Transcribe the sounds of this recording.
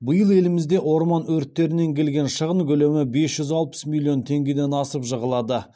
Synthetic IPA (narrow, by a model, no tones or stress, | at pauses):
bəjəlˠe̞lɪmɪzd̪e̞ʔwo̞ɾmɑnɵɾt̪ːe̞ɾɪne̞ŋkʲʰe̞lɡʲe̞nʃəʁəɴkʰʲɵle̞mɪbe̞sʒ̥ʏzɑlˠpə̥smʲilʲːio̞nt̪ʰe̞ŋɡʲe̞d̪enɑsəpʒəʁəlˠɑd̪ə